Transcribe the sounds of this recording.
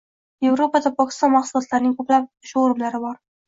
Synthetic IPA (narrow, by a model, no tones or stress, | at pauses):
je̞vɾopad̪apʰɒkʲɪ̥st̪ɒnmɑχsulˠɒt̪laɾnɪŋkʰɵplap̚ʊʃoɾɪmlaɾɪbɒɾ